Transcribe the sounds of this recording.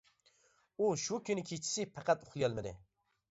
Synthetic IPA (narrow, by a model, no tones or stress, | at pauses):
uʃukʲʰynɪkʲʰet͡ʃʰi̥sɪpʰæqʰæt̪oχlˠɨjɑlˠmɨd̪ɪ̰